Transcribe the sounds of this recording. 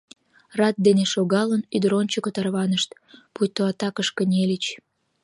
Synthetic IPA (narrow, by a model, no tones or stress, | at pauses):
rɑt̪̚d̪eneʃoɣɑlənyd̪ɾont͡ɕəkot̪ɑrβɑnəʃt̪ | pujʲt̪oɑt̪ɑkəʃkənʲelət͡ɕ